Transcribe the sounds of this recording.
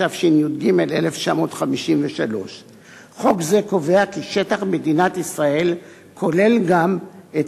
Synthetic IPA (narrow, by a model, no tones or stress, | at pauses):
avʃinjutɡime̞lḛleft͡ʃamo̞ːt̪χamiʃimveʃalo̞ʃ | χo̞kze̞ko̞ve̞akiʃe̞taχme̞dinat̪isʁae̞l | kʰo̞le̞lɡame